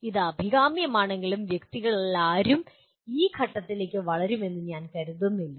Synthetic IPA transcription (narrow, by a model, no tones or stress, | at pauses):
iðɐbʱiɣaːmjɐmaːɳe̞ŋɡilumʋjekt̪iɣɐɭilaːɾum | iːkʰɐʈːɐt̪ːile̞ːkʲːɨʋɐɭɐɾume̞nːɨɲaːnkɐɾuðunːilːu